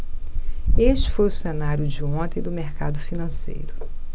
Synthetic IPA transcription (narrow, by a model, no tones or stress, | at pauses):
est͡ʃɪ̥fojʊsenaɾjʊd͡ʒɪõt̪ẽj̃d̪ʊmeɾkad̪ʊfinɐ̃sḛjɾʊ